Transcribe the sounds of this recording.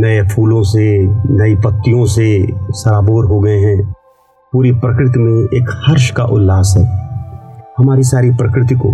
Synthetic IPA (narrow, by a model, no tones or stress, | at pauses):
nɐepʰuːlõs̬enɐipɐt̪ːijõsesɐɾaːboːɾɦoɡɐeɦɛ̃ː | puːɾipɾɐkɾɪt̪̬imẽeːkhɐɾʃkaʔʊlːaːsɦɛː | hɐmaːɾisaːɾipɾɐkɾɪt̪iko̰ː